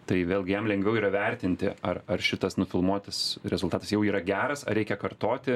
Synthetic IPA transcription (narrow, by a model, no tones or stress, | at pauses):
t̪ɐɪʋʲeːlˠʲɡʲɪjɛmlʲɛŋʲɡʋʲɛʊiːɾɐʋʲɛɾʲt̪ʲɪnʲt̪ʲɪɐrɐrʃʲɪt̪ɐsnʊfʲɪlˠmuɔt̪ɐsɾʲɛzʊlˠt̪ɑːt̪ɐsjɛʊiːɾɐɡʲæːɾɐsɐ̰ɾʲɛɪkʲɛkɐrt̪oːt̪ʲɪ